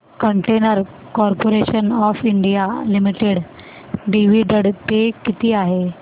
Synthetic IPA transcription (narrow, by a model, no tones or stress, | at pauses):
kəɳʈenəɾ | kɔɾpoɾeɕənɔfiɳɖijalimiʈeɽ | ɖiʋiɖəɽt̪ekit̪iːaɦe